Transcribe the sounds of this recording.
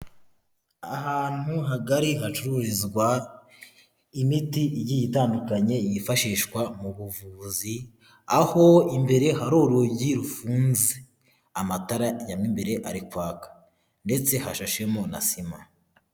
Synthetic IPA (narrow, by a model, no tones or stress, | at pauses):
ahaːn̥huɦaɡaɾiɦat͡ʃuɾuɾizɡwa | imitijijitaːndukaɲe̞ijifaʃiːʃkwamuβuvuzi | aho̞imbe̞ɾe̞haɾo̞ːɾuoɟiɾufuːnze | amataɾajamimbe̞ɾe̞ʔaɾikwaːkḁ | nde̞t͡se̞haʃaʃemo̞na̰sima